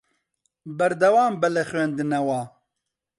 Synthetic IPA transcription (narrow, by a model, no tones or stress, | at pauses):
bɛɾd̪ɐwaːmbɛlɛxwɥeːnd̪ɨnɛwaː